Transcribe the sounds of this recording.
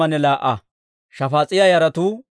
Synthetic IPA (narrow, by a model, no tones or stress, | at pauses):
ɐnɛlaːʔɐ | ʃɐfaːt͡sʼɪjɐjɐɾɐt̪uː